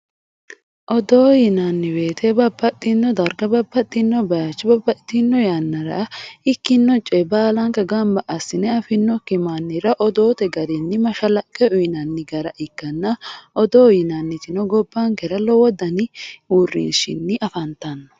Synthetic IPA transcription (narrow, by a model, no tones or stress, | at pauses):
ʔɔd̪oːjɪnɐnːɪwe̞ːt̪ɛbɐbːɐt̪ʼːɪnːɔd̪ɐɾɡɐbɐbːɐt̪ʼːɪnːɔbɐjat͡ʃːɪbɐbːɐt̪ːɪnːɔjanːɐɾɐ̰ɪkːɪnːɔt͡ʃʼɛbaːlɐŋkɐɡɐmbɐʔɐsːɪnɛɐfɪnːɔkɪmanːɪɾɐʔɔd̪oːt̪ɛɡɐɾɪnːɪmɐʃɐlɐkʼːɛʊjɪnɐnːɪɡɐɾɐʔɪkːɐnːɐʔɔd̪oːjɪnɐnːɪt̪ɪnɔɡɔbːaŋkɛɾɐlɔwɔd̪ɐnɪuːrːḭːʃɪ̰nːɪʔɐfɐnt̪ɐnːɔ̥